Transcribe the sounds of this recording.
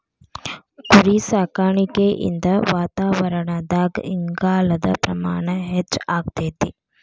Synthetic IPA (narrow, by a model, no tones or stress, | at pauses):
kuɾisaːkaːɳikeːʔḭnd̪ɐʋaːt̪aːʋɐɾɐɳɐd̪aːɡiŋɡaːlɐd̪ɐ̰pɾɐma̰ːɳɐɦet͡ʃːaːkt̪eːt̪i